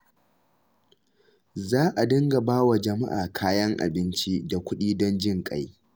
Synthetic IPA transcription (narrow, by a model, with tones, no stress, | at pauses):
zaː˦ʔa˨dɐ˦ŋɡa˨baː˦wa˨d͡ʒɐ˨ma˦ʔa̰ː˨kʰaː˦jɐ˦ŋʔa̰˨bɪ˦nt͡ʃi˦da˨kʷʊ˦ɗiː˦dɔ˦nd͡ʒɪ˦˨ŋkʼa̰˦j